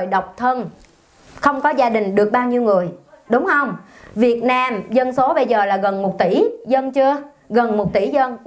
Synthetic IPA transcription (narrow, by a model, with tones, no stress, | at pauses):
jɗə˨˩wk͡p̚t̪ʰə˧n | xə˧wŋ͡mkɔ˨˦zaː˧ɗï˨˩ŋ̟ɗɨ˨˩ək̚ɓaː˧wɲi˧wŋɨ˨˩əjɗʊ˨˦wŋ͡mhə˧wŋ͡m | vi˨˩ət̚naː˧mzə˧nso˨˦ɓə˧jzəː˨˩laː˨˩ɣə˨˩nmo˨˩t̚t̪i˧˩zə˧nt͡ɕɨ˧ə | ɣə˨˩nmo˨˩t̚t̪i˧˩˦zə˧n